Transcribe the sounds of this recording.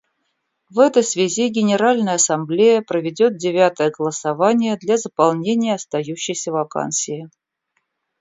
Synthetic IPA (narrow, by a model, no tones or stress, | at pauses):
vɛt̪əjsvʲɪzʲiɡʲɪnʲɪɾalʲnəjəɐsɐmblʲejəpɾəvʲɪdʲo̞t̪̚dʲɪvʲat̪əjəɡəlˠəsɐvanʲɪjəd̪lʲazəpɐlˠnʲenʲɪjəɐst̪ɐjuɕːɪjsʲəvɐka̰nsʲɪɪ